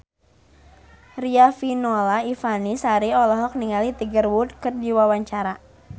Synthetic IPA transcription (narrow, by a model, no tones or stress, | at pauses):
riafinɔlaifanisaɾiɔlɔɦɔk̚niŋalit̪iɡərwud̚kɨrd͡ʒiwawaɲt͡ʃaɾa